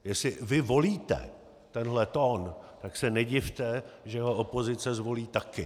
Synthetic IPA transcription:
jɛsɪvɪvo̞liːt̪ɛ̰ | t̪ɛnɦlɛt̪oːnt̪aksɛnɛɟɪft̪ɛʒɛjɦoʔopo̞zɪt͡sɛzvo̞liːt̪akɪ

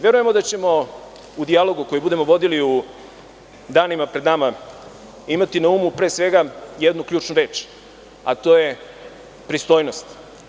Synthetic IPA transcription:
ʋe̞ɾuje̞mo̞d̪at͡ɕe̞mo̞ | ud̪ialo̞ɡuko̞jibud̪e̞mo̞ʋo̞d̪iliu | d̪aːnimapɾe̞d̪nama | imat̪inauːmupɾe̞ːsʋe̞ɡajed̪nukʎuːt͡ʃnuɾe̞ːt͡ʃ | a̰t̪o̞ːje | pɾist̪ojnost̪

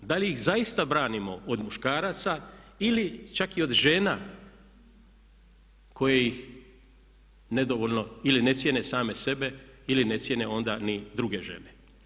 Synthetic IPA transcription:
d̪aliixzajist̪abɾaːnimo̞od̪muʃkaːɾat̪sailit͡ʃakio̞d̪ʒe̞ːna | ko̞jejix | ne̞d̪o̞ʋo̞lʲno̞iline̞sjene̞saːme̞se̞be̞iline̞t̪sje̞ne̞o̞nd̪anid̪ɾuɡe̞ʒe̞̰ne

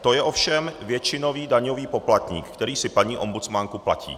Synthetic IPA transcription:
t̪o̞jɛʔo̞fʃɛmvjɛt͡ʃɪno̞viːdaɲo̞viːpo̞plat̪ɲḭːkkːt̪ɛɾiːsɪpaɲiːʔo̞mbut͡smaŋkupla̰cḭː

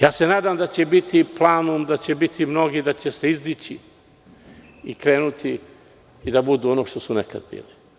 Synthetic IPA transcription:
jaːse̞naːd̪amd̪at͡ɕe̞bit̪ʰiplˠaːnumd̪at͡ɕebit̪ʰimno̞ɡid̪at͡ɕe̞se̞izd̪it͡ɕi | ikɾe̞ːnut̪ʰi | id̪abud̪uːonoʃt̪o̞suneka̰d̪bḭːli

